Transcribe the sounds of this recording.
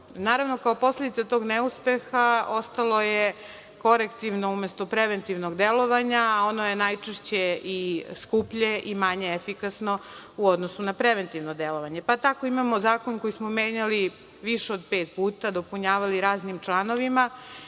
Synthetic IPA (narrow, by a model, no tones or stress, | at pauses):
naːɾaʋno̞kaopo̞slʲe̞d̪it̪at̪o̞ːɡneuspe̞xao̞st̪alˠo̞je | ko̞ɾekt̪iʋno̞umest̪o̞pɾeʋent̪iʋnoɡd̪elo̞ʋaɲao̞noje̞najt͡ʃeʃt͡ɕeiskupʎeʔimaɲeefikasno̞uod̪nosunapɾeʋent̪iʋnod̪elo̞ʋaɲepat̪ako̞imamozaːkonko̞jismomeːɲali | ʋiʃeod̪peːt̪̚puːt̪ad̪o̞puɲaːʋaliɾaːznimt͡ʃlˠano̞ʋima